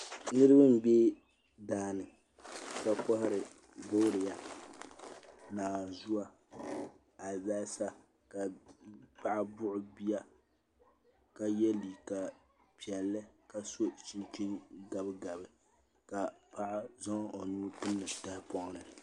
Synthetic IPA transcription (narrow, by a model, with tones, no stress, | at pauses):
nɨ˦ɾɨ˦ba˦m̩˦be˦ | daː˨˦˨nɨ˨ | ka˦kɔ˦hɪ˦ɾɪ˨ | bʊ˦ɾɪ˨ja˨ | naː˨zu˦a˨ | a˨ba˦sa˦ | ka˨pa˦ʔa˦bʊ˦ʔʊ˨bi˦ja˦ | ka˨jɛ˦li˨ka˨ | pi˨ɛ˨lːɨ˦ka˨so˦t͡ʃi˦nt͡ʃi˦ŋɡa˨bɨ˦ɡa˨bɨ˨ | ka˨pa˦ʔa˦zɔ˦ŋ˦o˨nu˦pɨ˦nːɨ˨ta˦ɪ˦pɔ˦ŋ˦nɨ˨